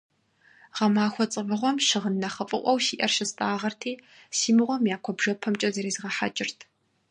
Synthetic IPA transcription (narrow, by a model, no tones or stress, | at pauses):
ʁɐmaːxʷɔt͡sʼɨvɨʁʷɔmʃɪʁənːɐχɐfʼɨʔʷɔwʃiːʔɐrʃɪstʼaːʁɐrtʰeː | siːmɨʁʷɔmjaːkʷʰɔbʒɐpʰɐmt͡ʃʼɐzɐɾeːzʁɐħa̰t͡ʃʼɪrtʰ